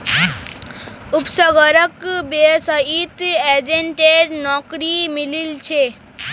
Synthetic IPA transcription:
upsəɡəɾəkbesəɦit̪ed͡ʒeɳʈeɾnɔkɾimililt͡ʃʰe

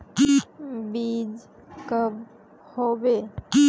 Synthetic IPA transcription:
kibiːd͡ʒ | kəb | hoːʋe

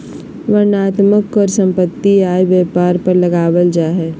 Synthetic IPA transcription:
ʋɐɾnaːt̪məkɔːɾsɐ̃mpət̪ːiaːjʋjeːpaːɾpəɾlɐɡaːwəld͡ʒaːɦɛː

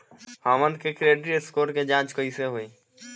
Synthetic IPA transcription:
haːmə̃nd̪kekɾeːɖɾiɪskoːɾʈked͡ʒãːt͡ʃkəiseɦoeː

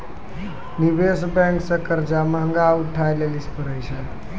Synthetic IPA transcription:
nibesbɛ̃ŋksə̃kəɾd͡ʒamɦəŋɡauʈʰːajlelispəɾəjsʰɛ

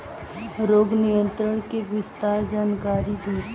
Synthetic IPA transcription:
ɾoːɡnɪjə̃nt̪ɾəɳ̃keʋɪst̪aːɾd͡ʒaːnkaːɾid̪iː

